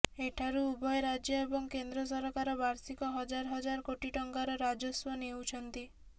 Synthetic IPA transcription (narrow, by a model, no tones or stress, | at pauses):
eʈʰaɾuubɔjɾad͡ʒjɔebɔŋkend̪ɾɔs̬ɔɾɔkaɾɔbaɾsikɔɦɔd͡ʒaɾɦɔd͡ʒaɾkoʈiʈɔŋkaɾɔɾad͡ʒɔswɔnewt͡ʃʰɔnt̪i